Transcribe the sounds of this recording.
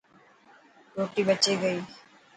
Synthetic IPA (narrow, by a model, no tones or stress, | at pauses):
ɾoːʈiːbət͡ʃeɡəiː